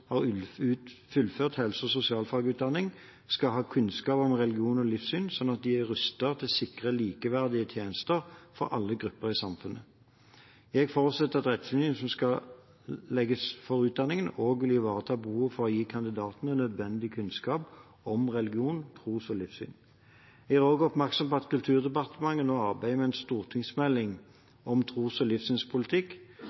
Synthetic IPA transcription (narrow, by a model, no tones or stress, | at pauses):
hɑʁ | fʉlføːʁt̪hɛlsəɔsʊsɪɑːlfɑɡʉːt̪̚d̪ɑnːɪŋ | skɑɦɑːkʰʉnskɑːpɔmʁɛlɪɡɪuːnɔlɪfsyːnsɔnːɑt̪̚d̪ɪæʁʉst̪əʁt̪ʰɪlsɪkʁəliːkəʋæʁd̪ɪət̪ʰjeːnəst̪əʁfɔɾʔɑ̰lːəɡʁʉpːəʁɪsɑmfʉnʔə | jɛɡfɔːʁt̪sɛt̪ːəʁɑt̪ʁɛt̪finɪsɔmskɑ | lɛɡəsfɔɾʉːt̪̚d̪ɑnɪŋənoːɡʋɪljɪʋɑːʁət̪ʰɑːbəhuːʋfɔʁɔjiːkʰɑnd̪ɪd̪ɑːt̪nənœd̪ʋɛnd̪ɪkʰʉnskɑːp | ɔmʁɛlɪɡɪuːnt̪ʰʁuːsɔlɪfsy̰ːn | jɛɡæːʁoːɡɔpmæʁksɔmpɔɑt̪kʉlt̪ʰʉːʁd̪ɛpɑʁt̪əmɑŋːənoːɑʁbæɪmɛɛnst̪uːʁt̪ʰɪŋsmɛlːɪŋ | ɔmt̪ʰʁuːsɔlɪfsyːnspʰʊlɪt̪ʰɪkː